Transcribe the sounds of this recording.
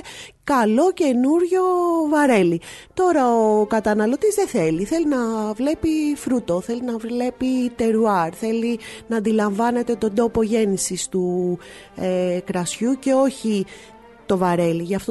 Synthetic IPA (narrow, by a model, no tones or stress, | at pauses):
kɐlo̞ce̞nuɾʝo̞vɐɾe̞lit̪o̞ɾɐokɐt̪ɐnɐlo̞t̪izðe̞θe̞liθe̞linɐvle̞pifɾut̪oθe̞linɐvle̞pit̪e̞ɾuɐɾθe̞linɐːnd̪ilɐɱvɐne̞t̪e̞t̪o̞nd̪o̞po̞ʝe̞nisist̪u | ekɾɐsçuce̞o̞çi | t̪o̞vɐɾe̞liʝɐft̪o